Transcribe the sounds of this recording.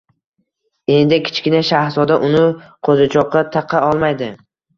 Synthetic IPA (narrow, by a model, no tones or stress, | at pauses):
e̞nd̪ɪkʲʰɪ̥t͡ʃkʲɪnaʃahzɒd̪aʔʊnɪqʰozat͡ʃʰɒqʰːɑt̪ʰɑqʰɑɒlˠmajd̪ɪ